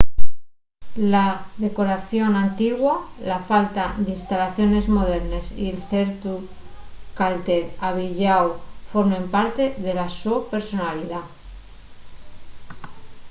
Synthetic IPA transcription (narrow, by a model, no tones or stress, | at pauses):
laðe̞ko̞ɾaθjo̞nant̪iɣwalafalt̪aðinst̪alaθjo̞ne̞zmo̞ð̞e̞ɾne̞sḭelθe̞ɾt̪u | kalt̪e̞ɾaβ̞iʎawfo̞ɾme̞mpaɾt̪e̞ðe̞lasope̞ɾso̞naliða